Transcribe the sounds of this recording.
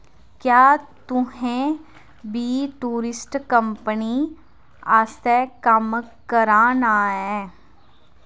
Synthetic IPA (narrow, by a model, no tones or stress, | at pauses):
kjaːt̪ʊɦẽ | biːʈuːɾɪsʈkə̃mpəni | aːst̪ɛkəmkəɾaːnaːɦɛː